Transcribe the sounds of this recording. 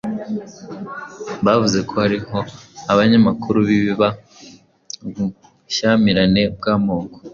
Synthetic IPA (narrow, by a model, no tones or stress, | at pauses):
βavuze̞kʰo̞haɾiho̞aβaɲamakuɾuβiβiβa | βu | ʃamiɾane̞b̚ɡaːmo̞ːko